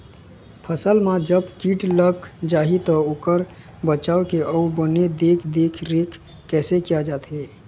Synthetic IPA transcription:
pʰəsəlmãd͡ʒəbkiːʈləkd͡ʒaːɦit̪ɔokəɾ | bət͡ʃaːokeʔəubəned̪eːkʰd̪eːkʰɾeːkʰ | kːɛːsekijad͡ʒaːt̪ɦe

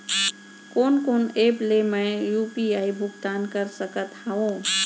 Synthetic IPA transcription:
koːnkoːneplemə̃jjupiaːibʱʊɡt̪aːnkəɾsəkət̪haũ

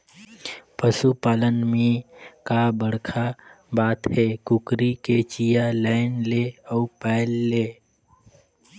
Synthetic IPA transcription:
pəsupaːlənmẽkabəɽkʰa | baːt̪ɦekʊkɾiket͡ʃijalaɪnleəupɛɪlːeː

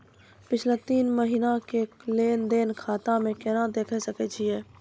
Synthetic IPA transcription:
pɪt͡ʃʰlet̪iːnməɦiːnakekleːnd̪eːnkʰaːt̪ãmẽkɛnad̪eːkʰɛsəket͡ʃʰiɛː

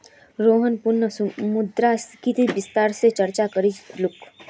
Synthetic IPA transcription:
ɾoːɦənpʊɾnːəsmʊd̪ɾaskit̪ibɪst̪aːɾset͡ʃɐɾt͡ʃakəɾid͡ʒlʊk

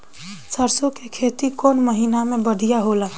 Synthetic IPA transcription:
səɾsokekʰeːt̪ikɔnməɦinamẽbəɽʱijaɦoləː

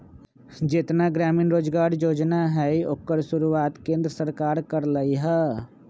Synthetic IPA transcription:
d͡ʒɪt̪naɡɾaːmɪnɾoːd͡ʒɡaːɾjoːd͡ʒnaɦɛiokːəɾʃʊɾuaːt̪kẽːnd̪ɾəsəɾkaːɾkəɾləiɦɛː

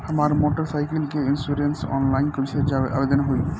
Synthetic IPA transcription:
amaɾmoʈoɾsajkelkeinsuɾensɔ̰nlajnkoɾiʃʰed͡ʑaa̰bed̪onɦoj

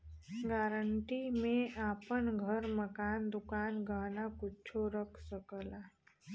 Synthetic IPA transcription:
ɡaːɾəɳʈimẽaːpənɡʱəɾməkaːnd̪ʊkaːnɡaɦnakʊt͡ʃʰoɾəkʰsəkəlaː

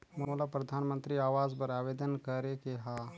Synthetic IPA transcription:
muolapɾɐd̪ʱanmənt̪ɾiːaːʋad͡zbəɾaʋed̪ənkəɾekeɦa

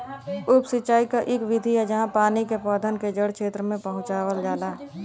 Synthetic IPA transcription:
ʊpsɪtːt͡ʃaːikaʔɪkʋɪd̪ʱijad͡ʒəɦãpaːnikepɔːd̪ʱənked͡ʒəɽkʰeːt̪ɾəmẽpəɦʊ̃t͡ʃaːwəld͡ʒaːlaː

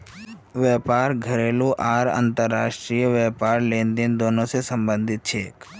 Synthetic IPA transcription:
ʋjɛːpaːɾɡʱəɾeːluʔaːɾə̰̃nt̪əɾːaːʃʈɾijʋɛːpaːɾlẽːnd̪ɪnd̪oːnõsesə̃mbə̃nd̪ʱɪt̪̚t͡ʃʰeːk

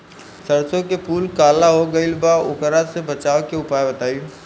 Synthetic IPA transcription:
səɾsõkepʰuːlkaːlaɦoɡəilbaʊkəɾasebət͡ʃaːokeʊpaːjebɐt̪aːi

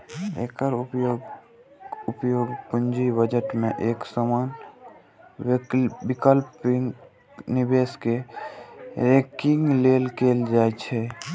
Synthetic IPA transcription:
ḛkəɾupjoɡ | ʊpjoːɡpund͡ʒibəd͡ʒəʈmẽʔeːksəman | ikəlpŋ | nibeske | ɾekɪ̃ŋɡleːlkeːld͡ʒaːet͡ʃʰɛ

